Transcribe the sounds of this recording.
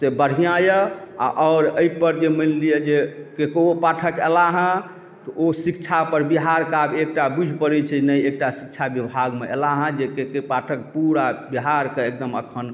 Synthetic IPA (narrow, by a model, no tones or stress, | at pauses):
sebəɽ̤ijajəa̰ʔɔʊɾəipəɾd͡ʒemənlijed͡ʒekekoopaʈʰəkḛlaɦə̃ | t̪ɔʔosikt͡ʃʰapəɾbiɦaɾkabek̚ʈabud͡ʒʱpəɾɛt͡ʃʰɛnəjek̚ʈasik̚t͡ʃʰabjəbʱaɡmeʔḛlaɦə̃d͡ʒekekepaʈʰək̚puɾabiɦaɾkeekd̪əmə̰kʰən